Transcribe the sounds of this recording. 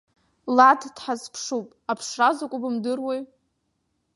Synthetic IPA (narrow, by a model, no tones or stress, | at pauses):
ladʰd̥ħazpʰʂupʼapʰʂrazakʷʼʊbɨmdɨrwej